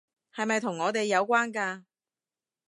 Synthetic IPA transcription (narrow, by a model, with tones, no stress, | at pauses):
hɐ˨jmɐ˨jt̪ʰʊ˨˩ŋːɔː˨˧t̪e˨jːɐ˨˧wkʷaː˥nkaː˧